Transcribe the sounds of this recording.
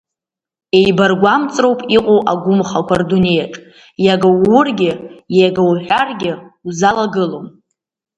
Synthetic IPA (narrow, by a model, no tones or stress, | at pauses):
e̞jbarɡʷamt͡sʼrowpʼiqʷʼowʔa̰ɡʷʊmχakʷʰardune̞jaʈ͡ʂʼ | jaɡawʊrɡʲɪjaɡawħʷᶣarɡʲɪwzalaɡɨlom